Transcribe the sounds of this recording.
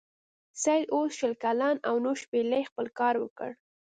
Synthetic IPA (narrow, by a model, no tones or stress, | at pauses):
sajd̪osʃəlkalɑnawnoʃpelajxpəlkɑɾwəkə̰ɽ